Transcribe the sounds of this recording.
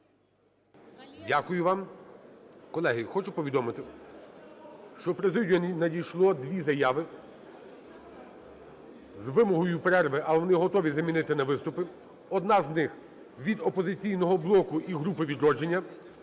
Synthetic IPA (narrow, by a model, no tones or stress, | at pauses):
dʲakʊjʊʋɑm | kɔlˠɛɦɪxɔt͡ʃʊpɔʋʲid̪ɔmɪt̪ɪ | ʃt͡ʃɔpɾezɪdʲɔnʲinɐdʲijʃlˠɔd̪ʲʋʲizɐjɑʋɪ | zʋɪmɔɦɔjʊpɾɛrʋɪʔɐʋɔnɪɦɔt̪ɔʋʲizɐmʲinɪt̪ɪnɐʋɪst̪ʊpɪ | ɔd̪nɑznɪx | ʋʲid̪ɔpɔzɪt͡sʲijnɔɦɔblˠɔkʊʔiɦɾupɪʋʲid̪ɾɔd͡ʒenʲːɐ